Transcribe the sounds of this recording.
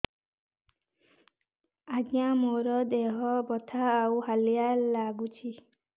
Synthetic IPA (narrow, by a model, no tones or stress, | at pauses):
aɡjamoɾɔd̪eɦɔbɔt̪ʰaːuhalijalaɡut͡ʃʰi